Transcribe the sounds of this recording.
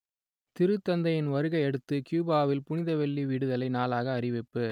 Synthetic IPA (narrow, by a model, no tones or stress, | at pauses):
t̪ɪɾɯt̪ːɐnd̪ɐjɪnʋɐɾɯɣɐɪɛɽɯt̪ːɯkjuːbaːʋɪlpʊnɪðɐʋɛɭːiʋiːɽɯðɐlɐɪnaːlaːɣɐːrɪʋɪpːɯ